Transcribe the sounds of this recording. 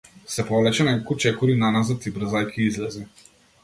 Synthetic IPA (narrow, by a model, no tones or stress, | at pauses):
sɛpɔvlɛt͡ʃɛnɛkut͡ʃɛkuɾinanazat̪ibɾəzajkʰiizlɛzi